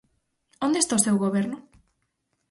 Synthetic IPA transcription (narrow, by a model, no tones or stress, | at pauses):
ond̪est̪aosewɣoβeɾnʊ